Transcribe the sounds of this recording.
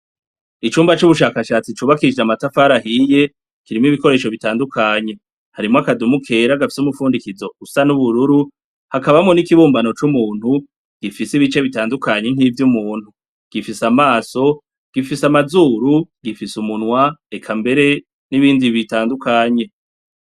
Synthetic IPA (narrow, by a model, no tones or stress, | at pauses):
it͡ʃuːmbat͡ʃuβuʃ̬aːkaʃaːt͡sit͡ʃuːβakiid͡ʒamatafaɾaɦiːje̞ | kiɾimiβiko̞ɾe̞ːʃo̞βitaːndukʰaɲe̞ | haɾimoakadumukʰe̞ːɾaɡafi̥sumufuːndikizo̞usanuβuɾuɾu | hakaβamŋo̞nikiβuːmbano̞t͡ʃumuːn̥hu | ɡ̥ifisiβit͡ʃe̞βitaːndukaɲe̞ŋ̥iːvjumuːn̥hu | ɡ̥ifisamaːso̞ | ɡ̥ifisamazuːɾuɡ̥ifisumunwaekʰambe̞ɾe̞ | niβiːndiβitaːndukʰaɲe̞